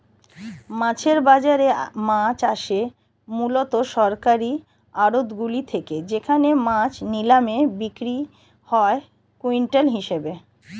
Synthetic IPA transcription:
mãt͡ɕʰeɾbad͡ʑaɾemãt͡ɕaʃe | mulot̪oʃɔɾkaɾi | aɾod̪ɡulit̪ʰeked͡ʑekʰanemãt͡ɕnilamebikɾi | hɔe | kuiɳʈelɦiʃebe

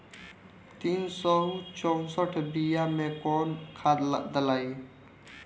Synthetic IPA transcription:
t̪insɔɦut͡ʃɔw̃sɔʈʰbijamẽkɔnkʰad̪ləd̪əlaːi

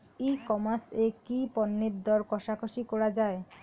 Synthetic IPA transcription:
ikɔmasekipɔnːeɾd̪ɔɾkɔʃakʰoʃikɔɾad͡ʑae

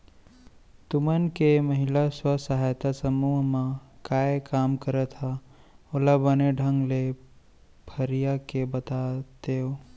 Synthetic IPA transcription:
t̪ʊmənkeməɦɪlaswəsəɦaːjt̪asəmuːɦmãkaːekaːmkəɾət̪ʰaolabəneɖʱə̃ŋɡle | pʰəɾijakebət̪at̪eoː

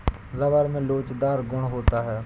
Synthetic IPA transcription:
zɐʋəɾmẽloːt͡ʃd̪aːɾɡʊɽ̃ɦoːt̪aɦɛː

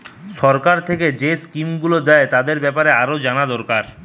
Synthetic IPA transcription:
ʃɔɾkaɾt̪ʰeked͡ʑeskimɡulod̪ɛet̪ad̪eɾbɛpaɾeaɾod͡ʑanad̪ɔɾkaɾ

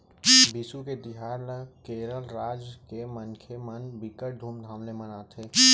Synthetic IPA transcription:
bɪsuket̪ɪɦaːɾləkeːɾəlɾaːd͡ʒkemənkʰemənbɪkəʈ̚d̪ʱuːmd̪ʱãːmlemənaːt̪ʰeː

